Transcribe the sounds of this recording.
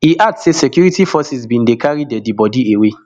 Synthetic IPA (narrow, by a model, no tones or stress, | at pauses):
hiʔak̚tsesɛkjuɹitifɔsizbĩndekaɹidɛdibɔdiewe